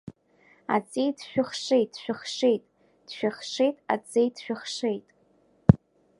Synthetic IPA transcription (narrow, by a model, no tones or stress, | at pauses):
a̰t͡sʼejdʃᶣaχʂejtʼːʃᶣaχʂejtʼ | d̥ʃᶣaχʂejtʼa̰t͡sʼejdʃᶣaχʂejtʼ